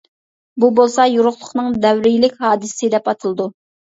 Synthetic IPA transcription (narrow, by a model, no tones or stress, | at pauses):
bubolˠsɑjuɾʊχlˠʊχnɨŋd̪ɛwɾɪjilɪkʲhɑːd̪ɨssɪd̪ɛpɑt̪ʰɨlˠɨd̪u